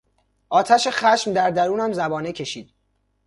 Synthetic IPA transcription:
ʔɒːt̪ʰæʃexæʃmd̪æɾd̪æɾuːnæmzæbɒːnecʰe̞ʃiːd̪̥̚

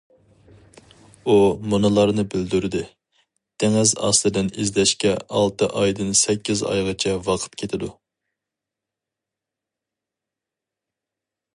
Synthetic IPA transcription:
umunɨlˠɑɾnɨbɪld̪yɾɪd̪ɪ | d̪̥ʰeŋɪzɑ̰slˠɨd̪ɪnizlɛʃkʲɛɑlˠt̪ɨʔɑjd̪ɨnsɛkʲʰːizɑ̰jʁɑt͡ʃʰɛwɑqʰə̥t̪kʲʰet̪ʰɪd̪u

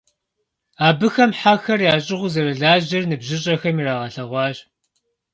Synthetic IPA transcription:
aːbɨxɐmħaxɐrjaːɕʼɪʁʷʊzɐɾɐɮaːʑɐrnɨbʑɪɕ̬ʼɐxɐmiɾaːʁɐɬɐʁʷɑːɕʼ

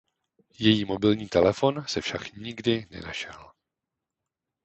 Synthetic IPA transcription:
jɛjiːmo̞bɪlɲiːt̪ɛlɛfo̞nsɛfʃakɲɪɡdɪnɛ̰naʃɛl

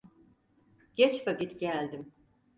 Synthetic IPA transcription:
ɟ̥ɛt͡ʃfakit̪ɟælʲd̪im

